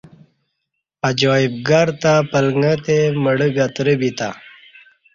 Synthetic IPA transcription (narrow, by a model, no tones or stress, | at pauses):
ɐd͡ʑoːib̚ɡaɾt̪apəlŋɡãt̪eməɽəɡat̪ɾəbit̪a̰